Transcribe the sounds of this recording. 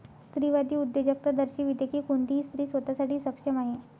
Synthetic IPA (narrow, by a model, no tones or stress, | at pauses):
st̪ɾiːʋad̪iːud̪ːed͡ʑək̚t̪əd̪əɾɕiːʋid̪jekiːkond̪ʱiːst̪ɾiːsʋət̪asaʈʰiːsəpɕəmaɦe